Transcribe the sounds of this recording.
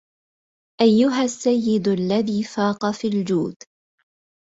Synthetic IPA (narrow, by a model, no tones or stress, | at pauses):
ʔajːʊɦasːajːɪd̪alːaðiːfaːqɑfiːld͡ʒuːd̪